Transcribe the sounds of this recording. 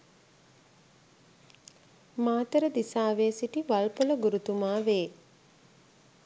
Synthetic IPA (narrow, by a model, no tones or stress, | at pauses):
maːt̪əɾəd̪isaːʋesiʈiʋalpoləɡuɾut̪umaːʋeː